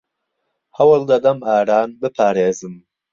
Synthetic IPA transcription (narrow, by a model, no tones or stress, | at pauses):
hɐwɨlˠd̪ɐd̪ɐmaːɾaːnbɨpʰaːɾeːzɨm